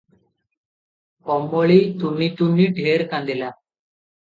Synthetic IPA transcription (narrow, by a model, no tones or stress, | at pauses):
kɔmboɭiːt̪unːit̪unːiːɖʱeɾkãnd̪ila